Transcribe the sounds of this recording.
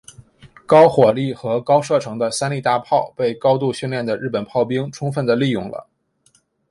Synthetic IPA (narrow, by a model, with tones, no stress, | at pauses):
kɑ˥ʊxwɔ˨˩li˥˩xɤ˧˥kɑ˥ʊʂɤ˥˩ʈ͡ʂʰɤ˧˥ŋd̪ə˧sa˥nli˥˧t̪a˥˧pʰɑ˥˧˩ʊpe˥˩ɪkɑ˥ʊt̪u˥˧ɕy˥˧nljɛ˥˩nd̪ə˩ɻ̩˥˩pə˨˩npʰɑ˥˩ʊpi˥ŋʈ͡ʂʰʊ˥ŋfə˥˩nd̪ə˩li˥˧jʊ̰˥˩ŋlə̰˩